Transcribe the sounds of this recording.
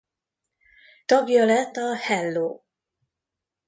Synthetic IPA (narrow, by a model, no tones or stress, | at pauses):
t̪ɒɡjɒlɛt̪ːɒhɛlːoː